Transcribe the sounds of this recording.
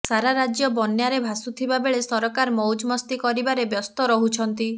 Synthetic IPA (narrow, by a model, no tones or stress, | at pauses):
saɾaɾad͡ʒjɔbɔnjaɾebʱasut̪ʰibabeɭesɔɾɔkaɾmɔwd͡ʒmɔst̪ikɔɾibaɾebjɔst̪ɔɾɔɦut͡ʃʰɔnt̪i